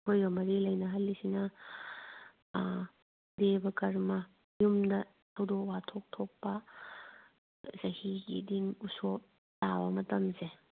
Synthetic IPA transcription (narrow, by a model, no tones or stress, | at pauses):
hojbɐmɐɾilɐjnɐɦɐlːisinɐ | debɐkɐɾmɐ | jumdɐ | tʰɐwdowatʰok̚tʰok̚pɐ | zɐhiɡḭdinuso | tabɐmɐtɐmze